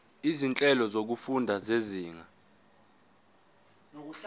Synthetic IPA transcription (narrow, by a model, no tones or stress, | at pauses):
izint͡ɬʼɛlɔzok̬ufundʱazeziːŋa